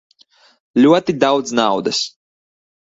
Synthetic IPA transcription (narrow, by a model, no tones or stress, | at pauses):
lʲuɔt̪id̪awd̪znawd̪as